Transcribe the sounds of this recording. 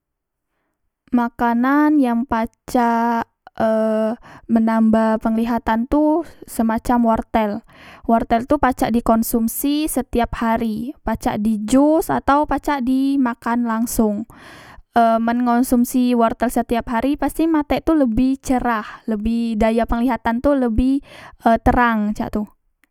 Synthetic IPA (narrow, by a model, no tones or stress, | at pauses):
makananjaŋpat͡ʃa | ə | mənambahpəŋliɦat̪ant̪usəmat͡ʃamwɔrt̪ɛl | wɔrt̪ɛlt̪upat͡ʃaʔdikɔnsumsisət̪iap̚haɾipat͡ʃa̰ʔdid͡ʒusa̰t̪awpat͡ʃaʔdimakanlaŋsʊŋ | ʔəːmənŋɔnsumsiwɔrt̪ɛlsət̪iap̚ɦaɾipast̪imat̪ɛʔt̪uləbɪht͡ʃəɾahləbɪhdajapəŋliɦat̪ant̪uləbɪhʔət̪əɾaŋt͡ʃa̰ʔt̪u